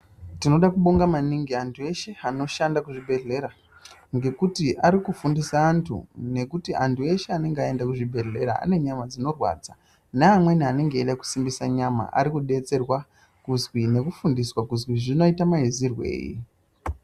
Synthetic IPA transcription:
tino̞ɗakuɓoŋɡamaniŋɡiantʰue̞ʃe̞ano̞ʃandakuʐibʱe̞ɮe̞ɾa | ŋɡe̞kutiʔaɾikufundisaːntʰṵne̞kutiʔantue̞ʃe̞ane̞ŋɡeae̞ndakuʐibʱe̞ɮe̞ɾa̰a̰ne̞ɲamad͡zino̞rwa̰d͡za | neamwe̞niane̞ŋɡe̞ːɗaku̥simbisaɲama̰ʔa̰ɾikuɗe̞t͡se̞rwa | kuzwine̞kufundiswakuzwiʐino̞itamaizirwe̞̰ːjḭ

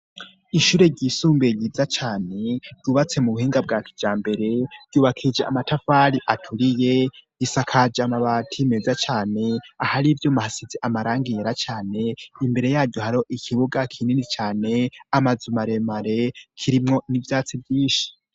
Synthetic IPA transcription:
iʃuːɾe̞ɟisuːmbeɟivjat͡ʃaːne̞ɾɟ̥uːβat͡se̞muβuhiːŋɡabɡaːkid͡ʒaːmbe̞ɾe̞ɾɟ̥uːβakʰid͡ʒea̰matafaɾiʔatʰuɾije̞ | isakʰad͡ʒamaβatʰimezat͡ʃaːne̞ahaɾivjomahasizeʔamaɾaːŋɡiɾat͡ʃaːne̞imbe̞ɾe̞jaːɾɟohaɾo̞ʔikʰiβuɡakʰininit͡ʃaːne̞amazumaɾe̞maɾe̞kʰiɾimŋo̞nivjaːt͡sivjiːnʃi̥

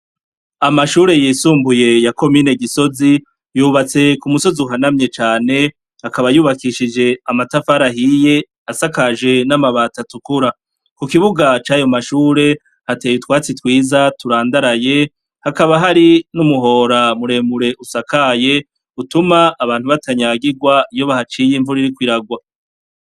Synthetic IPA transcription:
amaʃuːɾe̞jiːsuːmbuje̞jako̞miːne̞ɡiso̞zi | juːβat͡se̞kumuso̞ziuɦanamɲe̞t͡ʃaːne̞ | hakaβajuːβakiʃid͡ʒe̞amatafaɾaɦije̞ | asakaʒe̞namaβaːtatukuɾa | kukiβuɡat͡ʃaːjo̞maʃuːɾe̞ | hate̞ːjutwaːt͡sitwiːzatuɾaːndaɾaje̞ | hakaβaɦaɾinumuɦo̞ːɾamuɾe̞ːmuɾe̞ʔusakaje̞ | utumaʔːβaːnhuβatʰaɲaɡiɡwaijo̞βahat͡ʃiːjiɱvuɾiɾikwiɾaɡwa

